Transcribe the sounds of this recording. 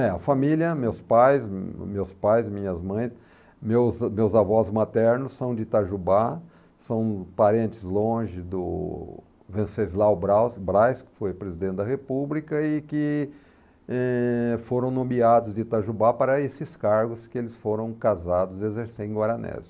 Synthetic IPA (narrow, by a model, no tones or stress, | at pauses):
ɛɐfamiljɐmewspajsmewspajzmĩɲɐzmɐ̃j̃s | mewzmewzavɔzmat̪ɛɾnʊsːɐ̃w̃d͡ʒɪt̪aʒuba | sɐ̃w̃paɾẽnt͡ʃɪzlõʒɪd̪ʊ̰ | vẽsezlawbɾasbɾajskɪ̥fojpɾezid̪ẽnt̪ɪd̪ɐhepublikɐɪkɪ | ɛfoɾɐ̃w̃nõmiad̪ʊzd͡ʒɪt̪aʒubapaɾɐesɪskaɾɡʊskɪelɪsfoɾɐ̃w̃kazad̪ʊzezeɾsẽẽɡwaɾɐnɛ̰z